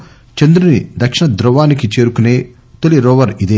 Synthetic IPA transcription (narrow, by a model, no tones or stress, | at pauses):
t͡ʃɐnd̪ɾunid̪ɐkʂiɳɐd̪ɾɐʋaːnikit͡ʃe̞ːɾukune̞ː | t̪oliɾɔːʋɐɾid̪eː